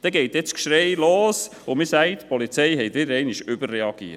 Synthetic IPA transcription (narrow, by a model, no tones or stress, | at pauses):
d̥ɛɡɛɪt̪jɛt͡skʃɾeɪloːs | ʊmɪsæɪt̪pʰɔlit͡sɛɪhɛɪtʋɪdəɾɛɪnɪʃʏbərːɛɑɡ̥iə